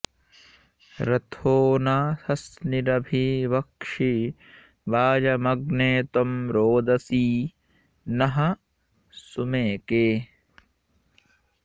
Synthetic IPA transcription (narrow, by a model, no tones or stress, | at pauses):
ɾɐt̪ʰoːnaːsɐsniɾɐbʱiʋɐkʂi | ʋaːd͡ʒɐmɐɡneːt̪ɐmɾoːd̪ɐsiː | nɐɦɐ̆ | sumeːkeː